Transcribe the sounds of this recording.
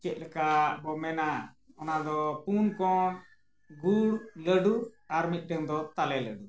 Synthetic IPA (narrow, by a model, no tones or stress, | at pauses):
t͡ʃɛt̪̚lɛkabɔmɛna | ɔnad̪ɔpunkɔn | ɡʱuɾləɖuaɾmit̪̚ˀɖəŋd̪ɔt̪alɛləɖu